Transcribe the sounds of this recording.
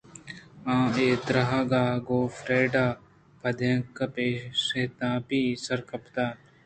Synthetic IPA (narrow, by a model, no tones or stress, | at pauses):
ãːeːd̪ɾɐɦaɡaːɡoːfɾeːɖaː | pɐd̪jɐ̃ŋkɐpeːʃeːt̪ãːpiːsɐɾkɐpt̪aː